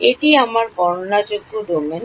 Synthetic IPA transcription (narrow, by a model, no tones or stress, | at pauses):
eʈiamaɾbɔɾonad͡ʑoɡːoɖ̪omen